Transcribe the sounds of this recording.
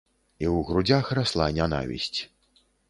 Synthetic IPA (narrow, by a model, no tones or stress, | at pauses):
iwɣɾud͡zʲaxraslˠanʲana̰vʲḭsʲt͡sʲ